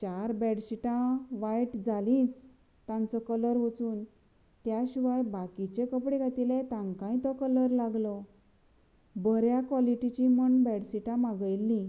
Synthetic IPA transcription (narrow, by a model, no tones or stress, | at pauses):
t͡ɕaɾbɛɽɕiʈãʋajʈd͡zalĩːt͡s | t̪ãnt͡sɔkələɾʋut͡suːn | t̪jaɕiʋajbakit͡ɕekəpɽeɡʱat̪ilet̪ãŋkãĩt̪ɔkələɾlaɡlɔ | bəɾjakʋɔliʈit͡ɕiməɳbɛɽɕiʈãmaɡəjlːĩ